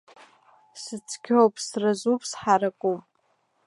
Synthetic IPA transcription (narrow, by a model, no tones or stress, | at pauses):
sɨt͡sʰkʲʰowpʼsrazupʰʼsħaɾakʷʼupʼ